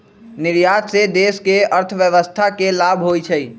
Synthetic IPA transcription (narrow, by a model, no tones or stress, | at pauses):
nɪɾjad̪sed̪eskeəɾt̪ʰʋjəʋəst̪ʰakelabʱɦojt͡ʃʰəi